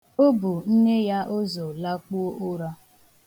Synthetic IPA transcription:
o˦bu˨n̩˦ne˦ja˦ʔo˦zo˨la˦k͡pu˦o˦ʔʊ˦ɾa˦

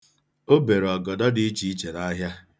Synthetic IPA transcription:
o˦be˨ɾɔ˨ɡɔ˨dɔ˦dɪ˦i˦t͡ʃi˨˦i˦t͡ʃe˨ɾa˦ɦja˦

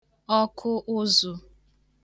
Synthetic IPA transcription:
ɔ˦kʰʊ˦ʔʊ˦zʊ˨

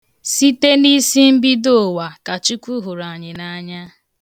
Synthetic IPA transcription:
si˦te˦ni˦si˦m̩˦bi˦do˦˨wa˨ka˨t͡ʃi˦kʷu˦ɦʊ˨ɾa˨ɲɪ˨na˦ɲa˦

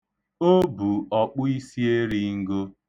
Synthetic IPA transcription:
o˦bu˨ɔ˨k͡pʊ˦i˦si˦e˦ɾi˦ŋ̩˦ɡo˦

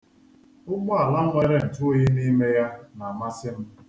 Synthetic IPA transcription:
ʊ˦ɡ͡bʊ˦a˨la˦ŋʷe˦ɾe˦n̩˨tʊ˦o˦ɲi˦ni˦me˦ja˦na˨ma˦sɪ˦m̩˦

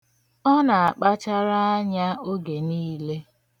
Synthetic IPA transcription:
ɔ˦na˨a˨k͡pa˦t͡ʃa˦ɾa˦a˦ɲa˦o˦ɡe˨niː˦le˦

